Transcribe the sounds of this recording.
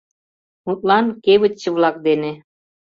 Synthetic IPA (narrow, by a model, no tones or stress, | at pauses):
mut̪lˠɑnkeβɘ̆t̪t͡ɕːəβlˠɑk̚d̪ene